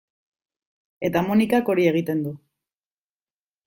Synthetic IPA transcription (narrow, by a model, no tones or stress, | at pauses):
e̞t̪amonikako̞ɾie̞ɣ̞it̪e̞nd̪u